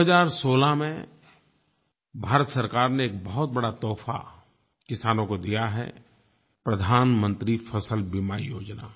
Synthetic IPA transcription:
ɦəzaːɾsoːlamẽ | bʱaːɾət̪sɐɾkaːɾneeːk̚bɐɦʊt̪̚bɐɽat̪ɔːfʰa̰ | kɪsaːnõkod̪ijaɦɛ̰ | pɾəd̪ʱaːnmə̃nt̪ɾifʰəsəlbimaːijoːd͡ʒna̰ː

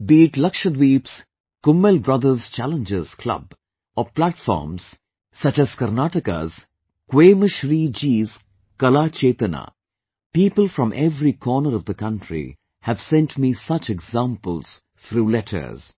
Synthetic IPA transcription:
biːʈlʌkʃəd̪wiːps | kʊ̃mːəlbɾʌd̪əɾzt͡ʃælə̃nd͡ʒɪz̥kʰlʌ̰b | ɔplæʈfɔ̰ːɾmz̥ | sʌt͡ʃæz̥kəɾnaʈɪka̰z̥ | kweːməʃɾiːd͡ʒiːz | kʌlat͡ʃeːt̪əna̰ | piːpəlˠfɾɔ̃mʔɛvɾikʰɔːnəɾʌvd̪əkʌ̃nʈɾḭ | hævsɛ̃nʈmiːsʌt͡ʃɛɡzãmpəlz̥ | t̪ʰɾuːlɛʈʰə̰˞z̥

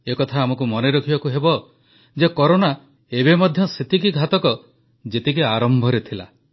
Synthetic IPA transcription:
ekɔt̪ʰaːmɔkumɔneɾɔkʰibakuɦebɔ | d͡ʒekɔɾona | ebemɔd̪ʱjɔset̪ikiɡʱat̪ɔkɔ | d͡ʒet̪ikeaɾɔmbʱɔɾet̪ʰila̰

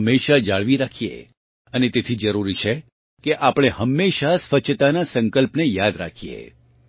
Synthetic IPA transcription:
mːeʃad͡ʒaɭʋiɾakʰijḛ | ənet̪et̪ʰid͡ʒəɾuɾit͡ʃʰe | keʔapɽ̃eɦəmːeʃasʋət͡ʃʰt̪anasə̃ŋkəlpnejad̪ɾakʰiḛ

